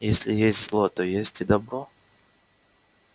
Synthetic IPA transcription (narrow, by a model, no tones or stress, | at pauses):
jesʲlʲɪjesʲtʲz̥lˠot̪ojesʲtʲɪd̪ɐbɾo